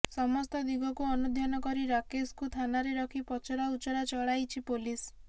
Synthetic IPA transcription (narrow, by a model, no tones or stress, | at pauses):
sɔmɔst̪ɔd̪iɡɔkuɔnud̪ʱjɔnɔkɔɾiɾakeskut̪ʰanaɾeɾɔkʰipɔt͡ʃɔɾaut͡ʃɔɾat͡ʃɔɭajt͡ʃʰipolis